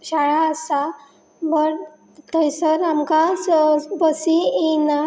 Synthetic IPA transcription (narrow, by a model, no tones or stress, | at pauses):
ɕaɭaəsa | bəɽ | t̪əjsəɾamkasbəsiina